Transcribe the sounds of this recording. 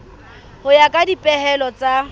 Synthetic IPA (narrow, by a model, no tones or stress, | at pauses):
hʊjakʼadipʼɛɦɛlɔt͡sʼa